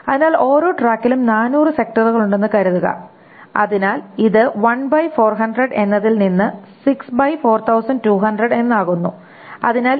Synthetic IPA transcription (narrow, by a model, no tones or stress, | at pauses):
ɐðinaːlo̞ːɾo̞ːʈraːkːilumnaːnuːrɨse̞k̚ʈɐruɣɐɭuɳɖe̞nːɨkɐɾuðuɣɐ̰ | ɐ̰ðinaːliðɨʋɐnbɐjfo̞ːrɦɐnɖrɐɖe̞nːɐðilninːɨsiksbɐjfo̞ːrt̪ʰɐwsɐɳɖtuːɦɐnɖrɐɖe̞nːaːɣunːu | ɐ̰ðinaːl